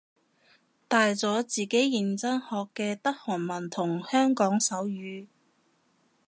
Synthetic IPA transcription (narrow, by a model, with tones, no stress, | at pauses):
t̪aː˨jt͡sɔː˨˥t͡siː˨ke˨˥jːɪ˨ŋt͡sɐ˥nhɔː˧kːɛː˧t̪ɐ˥k̚hɔː˨˩nmɐ˨˩nt̪ʰʊ˨˩ŋhœː˥ŋkɔː˨˥ŋsɐ˨˥wjyː˨˧